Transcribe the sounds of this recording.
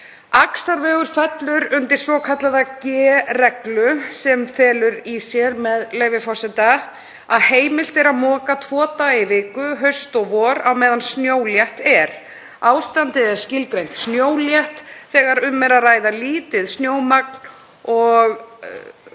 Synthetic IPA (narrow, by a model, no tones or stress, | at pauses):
aksaɾvɛːɣʏɾ̥fɛt̪lʏɾʏnt̪ɪɾ̥sɔːkʰat̪laðacɛːrɛklʏsɛmfɛːlʏɾisjɛɾmɛðleːjvɪfawsɛt̪a | aðheːjmɪl̥t̪ɛɾaðmɔːkat̪ʰvɔːt̪aɪvɪːkʏɦœɥst̪ɔɣvɔːɾawmɛːðansnjoːwljɛht̪ɛɾ̥ | aːwst̪ant̪ɪðɛɾ̥scɪlkɾejn̥t̪snjoːwljɛht̪θɛːɣaɾʏmːɛɾaðraːjðaliːt̪ɪðsnjoːwmak̚n | ɔɣ